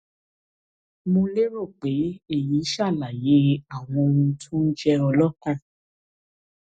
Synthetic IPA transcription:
mõ˧le˦ɾo˦˨k͡pe˨˦e˦˨ji˨˦ʃa˦˨la˨je˨˦a˦˨w̃ɔ̃˧ũ˧tʰũ˦d͡ʒɛ˧ɔ˧lɔ˦kũ˦˨

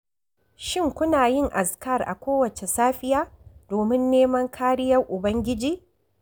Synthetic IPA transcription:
ʃɪ˦ŋkʷʊ˦naː˨jɪ˦ŋʔa˨skɐ˦˨rʔa̰˨kʷoː˦wɐ˨t͡ʃe˨saː˦ɸɪ˦jaː˦doː˨mɪ˦nːeː˦mɐ˦ŋkʰaː˦ɾɪ˦jɐ˦rʔʊ˨bɐ˦ŋɡʲɪ˦d͡ʒiː˦

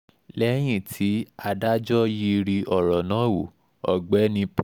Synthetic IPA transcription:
lɛ˦j̃ĩ˦˨tʰi˨˦a˧da˦d͡ʒɔ˦ji˧ɾi˧ʔɔ˨ɾɔ˨nã˨˦wu˨ | ɔ˨ɡ͡bɛ˨˦nĩ˧p

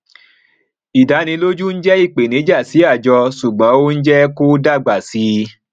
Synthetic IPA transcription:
i˨da˨˦nĩ˧lo˦d͡ʒu˦n̩˦d͡ʒɛ˦i˦˨k͡pe˨nĩ˨˦d͡ʒa˦˨si˨˦a˦˨d͡ʒɔ˧su˨ɡ͡bɔ̃˨˦o˦n̩˦d͡ʒɛ˦ko˦da˦˨ɡ͡ba˨si˨˦

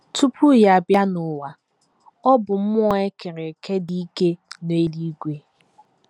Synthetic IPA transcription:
tʰu˦pu˦ja˦˨bja˦nʊ˨wa˨ | ɔ˦bʊ˨m̩˦m˦ɔ˦e˦ke˨ɾe˨kʰe˦di˦i˦ke˦n˨e˦li˦ɡʷe˨

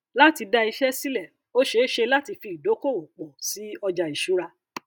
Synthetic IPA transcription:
la˦ti˧da˧i˧ʃɛ˦si˦lɛ˦˨ | o˦ʃe˧˦ʃe˧la˦ti˧fi˧˨do˨˦ko˦˨wo˨k͡pɔ˨si˨˦ɔ˧d͡ʒa˧i˨ʃu˨˦ɾa˧

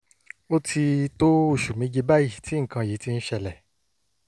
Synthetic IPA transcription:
o˦tʰi˧to˦o˦˨ʃu˨mĩ˧˦d͡ʒe˧ba˦ji˦˨ti˨˦ŋ̩˨kã˧ji˨˦ti˧n̩˦ʃɛ˧˨lɛ˨

